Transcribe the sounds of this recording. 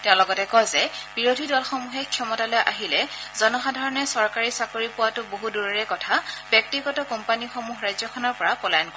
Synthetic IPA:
tɛʊ̃lɔɡɔtɛkɔzɛb̥iɹodʱidɔlxɔmuɦɛkʰjɔmɔtalɔjʔaɦilɛzɔnɔxadʱaɹɔnɛsɔɹkaɹisakoɹipʊwatʊboɦuduɹɔɹɛkɔtʰabjɔk̚tiɡɔtɔkɔmpanixɔmuɦɹajzɔkʰɔnɔɹpɔɹapɔlajɔnkɔ

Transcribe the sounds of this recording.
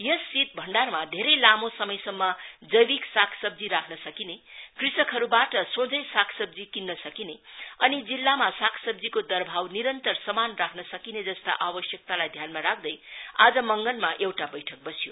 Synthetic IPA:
jʌsːit̪̚bʱʌɳɖarmad̪ʱeɾʌjlamosʌmʌjsʌmːʌd͡zʌjbiksakʰsʌb̚d͡ziɾakʰnʌsʌkinekrisʌkʰɦʌɾubaʈʌsõd͡zʌjsakʰsʌb̚d͡zikinːʌsʌkineʌnid͡zilːamasakʰsʌb̚d͡zikod̪ʌrbʱawniɾʌnt̪ʌrsʌmanrakʰnʌsʌkined͡zʌst̪a̰ʔabʌsjʌk̚t̪alajd̪ʱjanmaɾak̚ʰd̪ʌjad͡zʌmʌŋɡʌlmaʔewʈabʌjʈʰʌk̚bʌsijo̰

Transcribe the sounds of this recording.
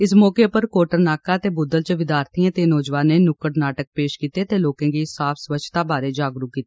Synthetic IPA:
ɪsmɔːkeːpəɾkoːʈəɾnaːkaːt̪eːbʊd̪əlt͡ʃəʋɪd̪jaːɾt̪ʰiãːt̪eːnɔːd͡ʒʋaːneːnʊkəʈnaːʈək̚peːʃkiːt̪eːt̪eːloːkãːɡisaːpʰsʋət͡ʃʰt̪aːbaːɾeːd͡ʒaːɡɾuːkːiːt̪eː

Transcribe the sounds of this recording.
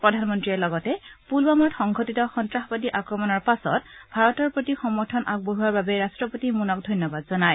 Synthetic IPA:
pɹɔdʱanmɔntɹiɛlɔɡɔtɛpulbamɔtxɔŋɡʱotitɔxɔntɹaxbadiʔakɹɔmɔnɔɹpasɔ̰tbʱaɹɔtɔɹpɹotixɔmɔɹtʰɔnʔaɡ̚boɦuaɹbabɛɹastɹɔpotimunɔk̚dʱɔjnjɔbad̚zɔnaj

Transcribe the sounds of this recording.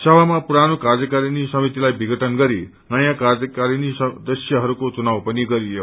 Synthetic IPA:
səʋamãpuɾanokaɾjəkaɾinisʌmit̪ilajbʱiɡəʈənɡʌɾi | najakaɾəkaɾinisd̪əsjəɦʌɾukot͡ʃunaʋpəniɡʌɾijo

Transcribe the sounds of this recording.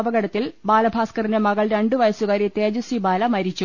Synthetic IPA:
bɐɣɐɽɐt̪ːilbaːlɐbʱaːskɐrinemɐɣɐɭɾe̞ɳɖɨʋɐjɐsuɣaːɾit̪eːd͡ʑɐsibaːlɐmɐɾit͡ɕːu

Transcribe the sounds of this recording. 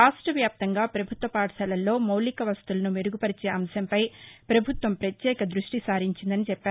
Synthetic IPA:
aːʂʈɐʋjaːp̚t̪ɐŋɡaːpɾɐbʱut̪ʋɐpaːʈɐsɐlɐlːo̞ːmɐwlikɐʋɐst̪ulɐnumeɾuɡupɐɾit͡ʃeːʔɐmsɐmpɐjpɾɐbʱut̪ʋɐmpɾɐt̪jɛːkɐd̪ɾuʂʈisaːɾiɲt͡ʃind̪ɐnit͡ʃɛpːaːɾu

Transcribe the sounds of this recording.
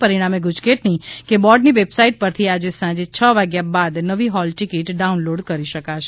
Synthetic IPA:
pəɾiɽ̃ameɡud͡ʒkeʈnikebɔɖniʋebsaiʈ̚pəɾt̪ʰiad͡ʒesãd͡ʒet͡ʃʰəʋaɡjabad̪nəʋiɦɔlʈikiʈɖaunloɖkəɾiʃəkaʃe

